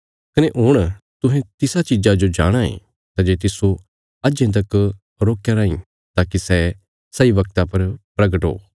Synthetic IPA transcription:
kɐneʔoːɽ̃t̪ʊɦɛ̃t̪ɪsat͡ʃɪd͡ʒad͡ʒod͡ʒa̰ːɽ̃ãḛ̃ː | t̪ad͡ʒeːt̪ɪso | ɐd͡ʒẽt̪̬ɐk | ɾoːkːjaɾaːĩ | t̪aːkisɛ | sɐiʋɐk̚t̪apɐɾpɾɐɡəʈɦo̰ː

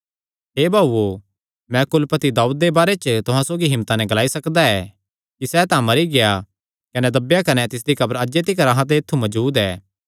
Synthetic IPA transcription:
ɦeːbʱaːuo | mɛ̃kʊlpət̪id̪aːuːd̪̚ːebaːɾet͡ʃt̪ʊɦãsoːɡiɦɪ̃mːt̪anɛ̃ɡɐlaːisɐkd̪aɛː | kisɛt̪ãmɐɾiɡeja | kɐnɛd̪ɐbjakɐnɛt̪ɪs̬d̪ikʰɐbəɾɐd͡ʒd͡ʒet̪ɪkɐɾaɦãt̪̬eɪt̪ʰːumɐd͡ʒuːd̪ɛː

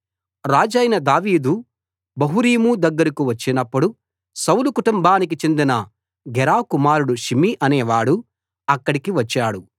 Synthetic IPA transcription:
ɾaːd͡ʒɐjnɐd̪aːʋiːd̪u | bɐɦuɾiːmud̪ɐɡːɐɾikuʋɐt͡ʃːinɐpːuɽu | sɐwlukuʈumbʱaːnik̬it͡ʃe̞nd̪inɐ | ɡɛɾaːkumaːɾuɽuʃimiʔɐnɛːʋaːɽu | ɐkːɐɽikiʋɐt͡ʃːaːɽu

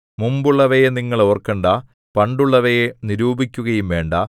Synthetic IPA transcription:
mumbuɭːɐʋɐjeniŋːɐɭo̞ːrkːɐɳɖa | pɐɳɖuɭːɐʋɐjeniɾuːbikʲːuɣɐjumʋe̞ːɳɖɐ

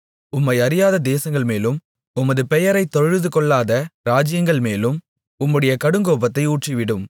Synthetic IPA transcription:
ʊmːɐɪɐɾɪjaːðɐd̪eːsɐŋɡɐɭmeːlɯm | ʊmɐðɯpɛjɐɾɐɪt̪ːɔɐɻðɯkɔɭːaːðɐɾaːd͡ʒɪjɐŋɡɐɭmeːlɯm | ʊmːɯɽɐjɐkɐɽɯŋɡoːpɐt̪ːɐɪuːʈriʋɪɽɯm

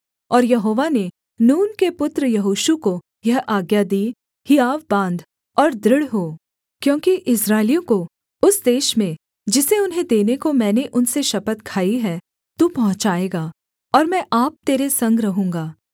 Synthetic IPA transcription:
ɔːɾjɐɦoːʋane | nuːnkepʊt̪ɾəjɐɦoːʃuko | jɐɦaːɡjad̪iː | hijaːʋbãːnd̪ | ɔːɾd̪ɾɪɽɦoː | kjõːkiʔɪsɾaːɪlijõko | ʊsd̪eːʃmẽ | d͡ʒɪseʊnɦẽd̪eːnekomɛ̃ːneʔʊnseʃɐpət̪kʰaːiɦɛ | t̪upɐɦʊ̃t͡ʃaːeːɡaː | ɔːɾmɛ̃ʔaːp̚t̪eːɾesɐ̃ŋɡɾɐɦũːŋɡaː

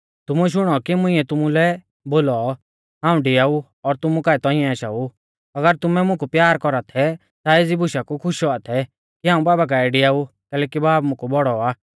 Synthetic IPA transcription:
t̪ʊmuɛʃ̬ʊɽ̃ɔkimʊ̃ɪ̃ɛt̪ʊmulɛ | boːlɔ | ɦãːũɖɪjaːu | ɔɾt̪ʊmũkaːɛt̪ɔ̃ɪ̃ɛ̃aʃa̰ːu | ɐɡəɾt̪ʊmɛmʊ̃kupjaːɾkɔɾat̪ʰɛ | t̪aeːd͡zibʊʃakukʰʊʃɔat̪ʰɛ | kiɦãːũbaːbak̬aːɛɖɪjaːu | kɛːlɛːkibaːbmʊ̃kubɔɽɔaː

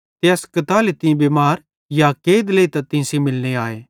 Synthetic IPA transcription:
t̪eɐskɐt̪aːlet̪ɪ̃bemaːɾ | jakeːd̪leit̪ɐt̪ɪ̃simɪlneaːeː

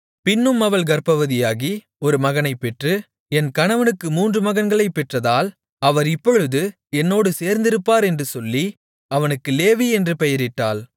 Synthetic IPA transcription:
pɪnːɯmɐʋɐɭɡɐɾpɐʋɐðɪjaːɣi | ɔɾɯmɐɣɐnɐɪpːɛʈrɯ | ɛnkɐɳɐʋɐnɯkːɯmuːndrɯmɐɣɐnɡɐɭɐɪpːɛʈrɐðaːl | ɐʋɐɾɪpːɔɻɯðɯ | ɛnːoːɽɯseːɾnd̪ɪɾɯpːaːɾɛndrɯsɔlːi | ɐʋɐnɯkːɯleːʋiɛndrɯpɛjɐɾɪʈːaːl

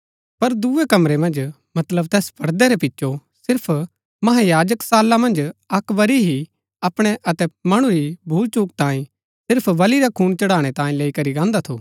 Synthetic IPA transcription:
pɐɾd̪uʋekɐmɾemɐ̃nd͡ʒ | mɐt̪ləb̚t̪ɛːspʰɐɾd̪ɛɾɛpɪtːʃosɪɾpʰ | mɐɦajaːd͡ʒəksaːlːamɐ̃nd͡ʒɐkʋɐɾiɦi | ɐpɽ̃ɛʔɐt̪ɛmɐɽ̃uɾibʱuːlt͡ʃuːk̚t̪ãːĩ | sɪɾpʰʋɐliɾakʰuːnt͡ʃɐɽaːɽ̃ɛt̪ãːĩleːikɐɾiɡãːnd̪at̪ʰo̰ː

